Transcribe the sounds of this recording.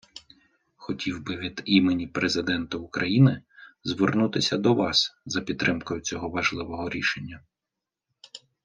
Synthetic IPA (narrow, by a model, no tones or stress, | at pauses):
xɔtʲiwbɪʋʲid̪imenʲipɾezɪd̪ɛnt̪ɐʊkɾɐjinɪzʋernut̪ɪsʲɐd̪ɔʋɑszɐpʲid̪ːɾʔɪmkɔjʊt͡sʲɔɦɔʋɐʒlˠɪʋɔɦɔɾʲiʃenʲːɐ